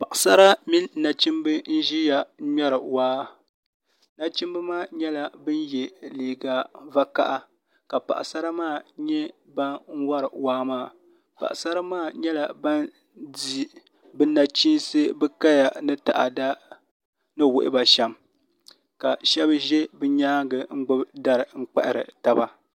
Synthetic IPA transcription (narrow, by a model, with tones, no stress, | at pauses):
pa˨ʔa˨sa˦ɾa˦mi˦n˦na˨t͡ʃi˦mbɨ˦n̩˦ʒi˦ja˨˦ɲɛ˦ɾɨ˨waː˦ | na˦t͡ʃi˦mbɨ˦maː˦˨ɲɛ˦la˨bɨ˦njɛ˨leː˨ɡa˨va˦ka̰˦ʔa˦ | ka˨pa̰˨ʔsa˦ɾa˦maː˦˨ɲɛ˦ | ba˦nŋ̩˦wa˦ɾɨ˨waː˨˦maː˦˨ | pa̰˨ʔa˨sa˦ɾa˦maː˦˨ɲɛ˦la˨ba˦n | di˨ | bɨ˦na˨t͡ʃi˦nsɨ˦bɨ˦ka˦ja˨nɨ˦ta̰˨ʔa̰˨da˦ | nɨ˦wʊ˦ʔɪ̰˦ba˨ʃɛ˦m | ka˨ʃɛ˦bʒɛ˦bɨ˦ɲaː˦ɡɨ˨ŋ̩˦ɡ͡bʊ˦bda˦ɾɨ˨ŋ͡m̩˦k͡pɛ̰˦ʔɪ˦ɾɨ̰˨ta˦ba˦